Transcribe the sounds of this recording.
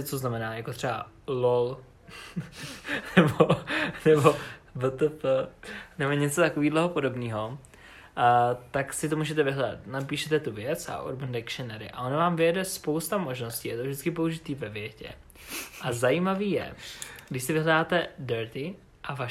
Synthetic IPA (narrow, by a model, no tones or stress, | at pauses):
t͡soznamɛnaːjakot̪r̥ɛba | lol | nɛbonɛbovət̪ɛp | nɛboɲɛt͡sot̪akoviːdlɛɦopodo̞bniːɦo̞ | t̪aksɪt̪omuːʒɛt̪̬ɛvɪɦlɛda̰t̪napiːʃɛt̪ɛt̪uvjɛt͡sa̰ʔṵɾbəndɛkʃɛnɛɾɪ̰ʔa̰ʔonavaːmvɪjɛdɛspo̞wst̪amo̞ʒno̞sciːat̪ovʒdɪt͡sskɪpo̞uʒɪt̪iːvɛvjɛcɛ̰ | ʔazajimaviːjɛ̰ɡdɪʃsɪvɪɦlɛdaːt̪ɛdɛɾt̪ɪ | ʔava